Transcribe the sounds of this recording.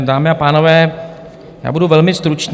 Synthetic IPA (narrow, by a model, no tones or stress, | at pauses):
d̪aːmɛapaːnɔʋɛː | ja̰ːbʊduʋɛlmɪst̪ɾut͡ʃn